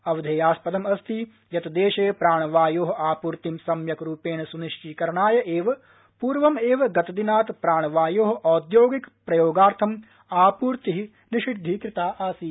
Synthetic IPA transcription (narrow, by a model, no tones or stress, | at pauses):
ɐʋɐd̪ʱeːjaːspɐd̪ɐmɐst̪ʰi | jɐt̪ɐd̪eːʃeːpɾaːɳ̃ɐʋaːjoːɦɐʔaːpuːɾt̪imsɐmjɐkɾuːpeːnɐsuniʃt͡ʃiːkɐɾɐɳaːjɐʔeːʋɐ | puːɾʋɐmeːʋɐɡɐt̪ɐd̪inaːt̪pɾaːɳɐʋaːjoːɦɐ̆ʔɔːd̪joːɡikpɾɐjoːɡaːɾt̪ʰɐm | aːpuːɾt̪iɦi | niʃiʈd̪ʱːiːkɾɪt̪aːʔaːsi